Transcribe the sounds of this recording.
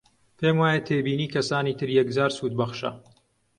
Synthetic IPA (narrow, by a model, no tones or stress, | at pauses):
pʰeːmwaːjɐt̪ʰeːbiːniːkʰɐsaːniːt̪ʰɨɾjɛkd͡zaːɾsuːt̪̚bɐχʃɐ̰